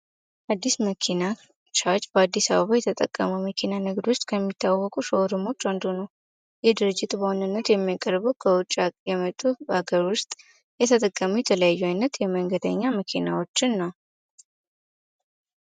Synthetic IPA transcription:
ʔad̪ːisməkʰina | t͡ʃʰaɾt͡ʃʼbəad̪ːisaβəβajɛt̪ʰət̪ʼəkʼːə̰məwməkʰinanɨɡd̪wʊst̪ʼkʰəmːit̪ʰːawɔkʼuʃəɾɨmːo̞t͡ʃːand̪onəw | jɛd̪ɨɾɨd͡ʒːɪt̪ʼbəwonɨnːət̪jɛmːijakʼəɾbuwkʰəwʊt͡ʃʼːajɛmət̪ʼːuaɡəɾwʊst̪ʼ | jɛt̪ʰət̪ʼəkʼːəmujɛt̪ʰələjajːuajnːət̪jɛməŋɡəd̪ə̰ɲːaməkʰinawo̞t͡ʃːɨnːa

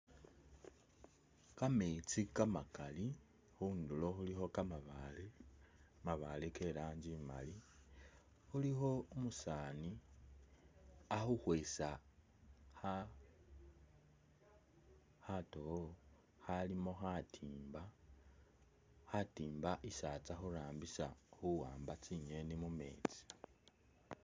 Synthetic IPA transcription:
kamet͡sikamakali | xuːndulo̞xulixo̞kamaβale | maβaleke̞laːɲɟima̰li | xulixo̞omusaːni | axuxwe̞ːsa | ha | hato̞o | halimo̞xatʰiːmba | hatiːmbaʔisat͡saxuɾaːmbisaxuwaːmbat͡siɲe̞nimume̞̰ːt͡si̥

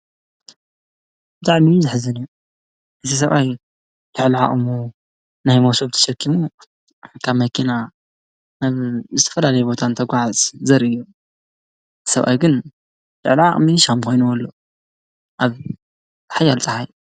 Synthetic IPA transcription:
b̥ɨt̪ʼaʕmizɨħzɨniju | ʔɨt̪ʰis̬ɐβʔaj | lɨʕliʕa̰χʼmu | najmowsoβt̪ʰɐ̥ʃɐkʰːimu | kʰaβmɐkʰina | naβzɨt̪ʰɐ̥fɐlalɐjɛbo̞t̪ʰant̪ʰɐɡʷaʕat͡sʼzɐɾɨjːu | t̪ʰsɐβʔa̰jɡɨn | tɨ̰ʕliʕa̰χʼmiʃmkʰo̞jnuwɔlːo | ʔaβ | tħajːalt͡sʼɐhaj

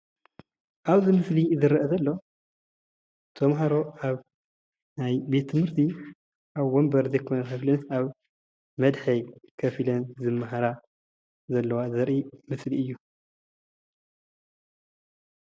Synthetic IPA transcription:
ʔaβzɨmɨslizɨɾʔɐzɐlːo̞ | t̪ʰɐmɦaɾo̞ʔaβ | najbe̞t̪̚t̪ʰːɨmhɨɾt̪ʰi | ʔaβwombɐɾzɐjkʰo̞nɐkʰɐflɨnsaβ | mɐd̪ħɐjkʰɐfilɐnzɨmːaɦaɾa | zɐlːɐwazɐɾʔimɨsliɨjːu

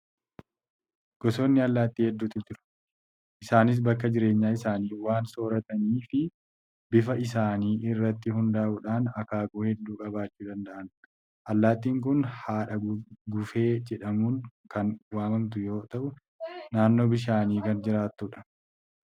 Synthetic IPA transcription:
ɡ̥ɔso̞ːnːɪɐlːaːt̪ːiːhɛd̪ːuːt̪ɪd͡ʒɪɾʊ̥ | ʔɪsaːnɪs̬bɐkːɐd͡ʒɪɾe̞ːɲːaːɪsaːniːwaːnso̞ːɾɐt̪ɐniːfɪ | bɪfɐɪsaːniːʔɪrːɐt̪ːɪhʊnd̪aːʔʊᶑaːnɐkaːɡuːhɛd̪ːuːkʼɐbaːt͡ʃːuːd̪ɐnd̪ɐʔɐn | ʔɐlːaːt̪iːŋk̬ʊnhaːᶑɐɡʊfe̞ːd͡ʒɛᶑɐmuːŋkɐnwaːmɐnt̪̬ʊjo̞ːt̪ɐʔʊ | naːnːo̞ːbɪʃ̬aːniːkɐnd͡ʒɪɾaːt̪ːʊᶑɐ̥

